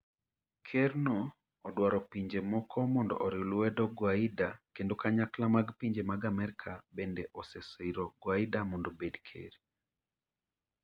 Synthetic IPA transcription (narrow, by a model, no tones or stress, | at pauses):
kʰeɾnɔː | dwaɾɔpiɲd͡ʒemɔkʰɔmɔndɔ̰ʔɔɾɪlɛdɔɡwaidakendokaɲaklamaɡpiɲd͡ʒemaɡamɛɾkʰabendeʔɔsɛsiɾɔɡwaidamɔndobedkʰḛɾ